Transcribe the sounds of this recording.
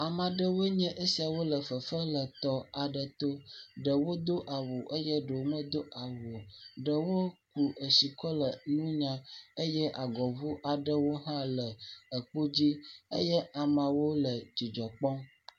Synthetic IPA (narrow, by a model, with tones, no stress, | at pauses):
a˨mã˨ɖə˦wo˦ɲɛ̃˦ʔe˦si˨a˨wo˦lə˨fə˨fə˦lə˨t̪ɔ˨a˨ɖə˨t̪o˦ɖə˨wo˦d̪o˦ʔa˨wo˨ʔə˦jɛ˦ɖə˨mə̃˦d̪o˦ʔa˨wo˨ɖə˨wo˦ku˨ə˨si˨kɔ˦lə˨nũ˦ɲã˦ə˦jɛ˦ʔa˨ɡɔ˨vu˦ʔa˨ɖə˦wo˦ɦã˦lə˨ə˨k͡po˦d͡ʑi˦ə̰˦jɛ˦a˨mã˨wo˦lə˨d͡ʑi˨d͡ʒɔ˨k͡pɔ˦